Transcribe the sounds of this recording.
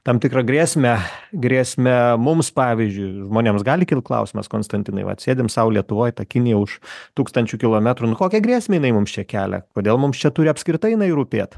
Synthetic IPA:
t̪ɐmt̪ʲɪkɾɐɡɾʲiːsʲmʲɛɡɾʲiːsʲmʲɛmʊmspɑːʋʲɪzʲd͡ʒʲʊɪʒmoːnʲeːmsɡɑːlʲɪkʲɪlˠt̪̚klˠɐ̰ʊsʲɪmɐ̰skoːnst̪ɐnʲt̪ʲɪnɐ̰ɪʋɐ̰t̪sʲeːd̪ʲɪmsɐʊlʲiɛt̪ʊʋoːjt̪ɐkʲɪnʲɪjɛʊʃt̪uːkst̪ɐnʲt͡ʃʲʊkʲɪlˠoːmʲæt̪ɾʊnʊkoːkʲɛɡɾʲiːsʲmʲeːjɪnɐɪmʊmst͡ʃʲɛkʲæːlʲɛ̰koːd̪ʲeːlˠmʊmst͡ʃʲɛt̪ʊɾʲɪɐpʲsʲkɾʲɪt̪ɐɪjɪnɐɪɾuːpʲeːt̪

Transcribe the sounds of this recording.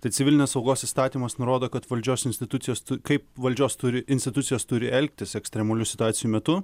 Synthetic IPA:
t̪ɐɪt̪sʲɪʋʲɪlʲɪnʲɛsɒʊɡoːsist̪ɑːt̪ʲiːmɐsnʊɾoːd̪oːkɐt̪ʋɐlʲd͡ʒʲoːsɪnʲsʲt̪ʲɪt̪ʊt̪ʲɪjoːst̪ʊkɐɪpʋɐlʲd͡ʒʲoːst̪ʊɾʲɪɪnʲsʲt̪ʲɪt̪ʊt̪sʲɪjoːst̪ʊɾʲɪɛlʲk̚t̪ʲɪsɛksʲt̪ʲɾʲɛmɐlʲʊsʲɪt̪ʊɑːt̪ʲɪjuːmʲɛt̪ʊ

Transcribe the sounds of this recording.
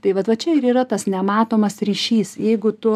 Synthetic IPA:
t̪ɐɪʋɐt̪ʋɐt͡ʃʲɛɪɾiːrɐt̪ɐsnʲɛmɑːt̪oːmɐsrʲiːʃʲiːsjɛɪɡʊt̪ʊ

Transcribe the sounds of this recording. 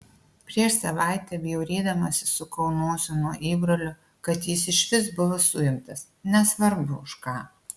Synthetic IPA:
pʲɾʲiɛʃsɐʋɑˑɪt̪ʲɛɐbʲjɛʊɾʲeːd̪ɐmɐsʲɪsʊkɒʊnuɔsʲʊnuɔʔiːbɾolʲʊ | kɐt̪jɪsɪʃʲʋʲɪsbʊʋɐsʊjɪmt̪ɐs | nʲɛsʋɐɾbʊʊʃkɑː

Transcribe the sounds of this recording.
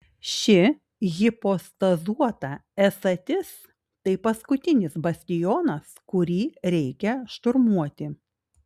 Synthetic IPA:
ʃʲɪ | ɣʲɪpost̪ɐzuɔt̪ɐɛsɐt̪ʲɪs | t̪ɐɪpɐskʊt̪ʲɪnʲɪsbɐsʲt̪ʲɪjɔːnɐskʊɾʲiːɾʲɛɪkʲɛʃt̪ʊɾmuɔt̪ʲɪ

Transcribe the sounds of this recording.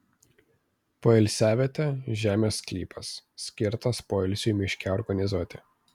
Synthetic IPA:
poːɛlʲsʲæːʋʲeːt̪ʲeʒʲæːmʲeːsklʲḭːpʰɐsːʲkʲɪɾt̪ɐspoːɛlʲsʲuːˑmʲɪʃʲkʲɛɔɾɡɐnʲɪzuɔt̪ʲɪ

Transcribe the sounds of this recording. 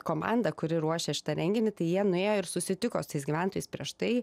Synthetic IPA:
koːmɑ̰nd̪ɐkʊɾʲɪɾuɔʃʲeːʃʲɪ̥t̪ɐɾʲɛŋʲɡʲɪnʲɪt̪ɐɪjiɛnʊeːjoːɪɾsʊsʲɪt̪ʲɪkoːst̪ɐɪsɡʲiːʋʲænt̪oːjɛɪspʲɾʲiɛʃtt̪ɐɪ

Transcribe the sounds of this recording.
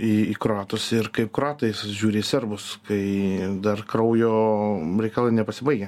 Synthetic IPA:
iːiːkɾoɑːt̪ʊsɪrkɐɪp̚kɾoɑːt̪ɐɪsʒʲuːɾʲeːsʲɛrbʊskɐɪd̪ɐrkɾɐʊjoːɾʲɛɪkɑlˠɐɪnʲɛpɐsʲɪbɐɪɡʲɛ

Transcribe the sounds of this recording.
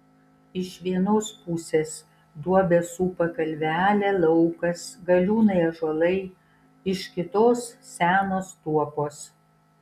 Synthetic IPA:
ɪʃʋʲiɛnoːspuːsʲeːs | d̪uɔbʲesuːpɐkɐlʲʋʲæːlʲælˠɐʊkɐsɡɐlʲuːnɐɪɐʒɔlˠɐɪ | ɪʃkʲɪt̪oːssʲæːnoːst̪uɔpoːs

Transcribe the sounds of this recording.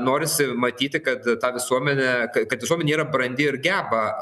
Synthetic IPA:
noːɾʲɪsʲɪmɐt̪ʲiːt̪ʲɪkɐt̪t̪ɑːʋʲɪsuɔmʲɛnʲɛkɐkɐt̪ʋʲɪsuɔmʲɛnʲeiːɾɐbɾɐnʲd̪ʲɪɪɾɡʲæːbɐ

